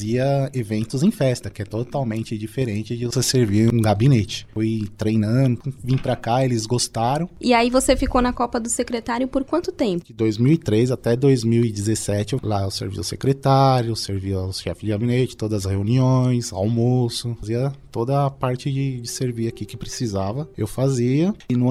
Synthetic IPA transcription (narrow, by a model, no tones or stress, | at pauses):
ziɐevẽnt̪ʊzẽj̃fɛst̪ɐkɪɛt̪ot̪awmẽnt͡ʃɪd͡ʒifeɾẽnt͡ʃɪd͡ʒɪvoseseɾviũɡabinet͡ʃɪ̥fojt̪ɾejnɐ̃d̪ʊ̃vĩpɾakaelɪzɡost̪aɾɐ̃w̃ɪaivosefikonɐkɔpɐd̪ʊsekɾet̪aɾjʊpoɾkwɐ̃nt̪ʊt̪ẽpʊɪd̪ojzmiwɪt̪ɾezat̪ɛd̪ojzmiwɪd͡ʒɪzesɛt͡ʃɪlaewsḛɾvḭʊsekɾet̪aɾjʊewseɾviawsʃɛfɪzd͡ʒɪɡabinet͡ʃɪ̥t̪od̪ɐzɐsheuniõj̃sa̰wmosʊfaziɐt̪od̪ɐːpaɾt͡ʃɪd͡ʒɪd͡ʒɪseɾviakikɪpɾesizavɐewfaziɐnũ